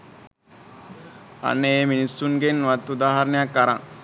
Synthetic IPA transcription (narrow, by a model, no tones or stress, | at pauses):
a̰nːeeminisunɡenʋat̪ud̪aːɦaɾnjakːaɾã